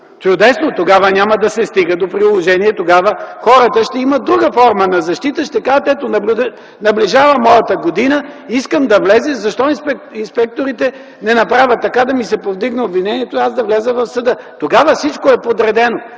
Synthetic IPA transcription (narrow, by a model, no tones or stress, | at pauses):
t͡ʃʊd̪ɛsnot̪oɡavənʲaməd̪ɐsɛst̪iɡəd̪opɾiʊlˠoʒɛniɛt̪oɡavəxɔɾət̪əʃt̪ɛiməd̪ɾuɡəfɔɾmənɐzɐʃt̪it̪əʃt̪ɛkat̪ɛt̪onɐblʲd̪ | nɐbliʒavəmɔjɐt̪əɡod̪inəiskəmd̪ɐvlɛzɛzɐʃt̪ɔinspɛinspɛk̚t̪oɾit̪ɛ | nɛnɐpɾavʲət̪ːɐkad̪ɐmisɛpovd̪iɡnəobvinɛniɛt̪oiazd̪ɐvlɛzəvɐfsəd̪ət̪oɡavəfsit͡ʃkoɛpod̪ɾɛd̪ɛno